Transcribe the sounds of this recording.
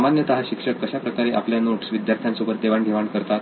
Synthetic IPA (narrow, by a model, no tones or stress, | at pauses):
manjət̪aɦaɕikʂəkːəɕapɾəkaɾeʔa̰pljanoʈsʋid̪jaɾt̪ʰjansubət̪̚d̪eʋaɳɡʱeʋaɳkəɾt̪at̪